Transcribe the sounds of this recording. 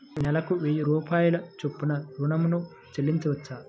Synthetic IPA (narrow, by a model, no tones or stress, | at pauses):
nɛlɐkuʋejiɾuːpaːjulɐt͡ʃepːunɐɾunɐmunu | t͡ʃelːiɲt͡ʃɐʋɐt͡ʃːaː